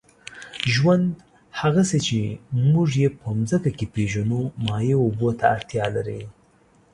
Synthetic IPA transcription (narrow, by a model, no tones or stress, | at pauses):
ʒwand̪ | haɣaset͡ʃemuʐjepəmzəkakepeʒanomɑjeobot̪aːɽt̪jɑlaɾi